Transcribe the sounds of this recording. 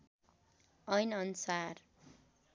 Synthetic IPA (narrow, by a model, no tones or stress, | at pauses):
ʌjnʌnsar